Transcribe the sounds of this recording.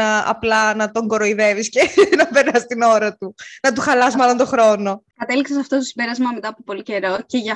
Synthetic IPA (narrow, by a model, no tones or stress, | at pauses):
ɐɐ̰plɐnɐt̪o̞ŋɡo̞ɾoiðe̞viscenɐpeɾnɐst̪ino̞ɾɐt̪unɐt̪̬uxɐlɐsmɐlo̞nt̪o̞xɾo̞nokɐt̪eliksesɐft̪ot̪osibe̞ɾɐzmɐme̞t̪ɐpopo̞lice̞ɾo̞ceʝɐ